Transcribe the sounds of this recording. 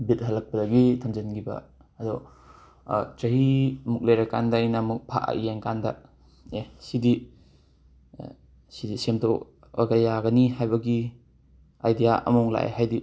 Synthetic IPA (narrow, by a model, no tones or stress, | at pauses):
bit̚ɦɐlɐk̚pɐdɐɡitʰɐmd͡ʒɐnɡibɐ̰ | ɐdɔ | t͡ʃɐɦimuk̚leɾɐka̰ndajnamuk̚pʰa̰ʔa̰ʔjeŋkandɐ̰ | esidi | sidisemdɔ | o̰ɡajaɡɐniɦajbɐɡi | a̰jdijaʔɐ̰mɔŋla̰ʔḛɦajdi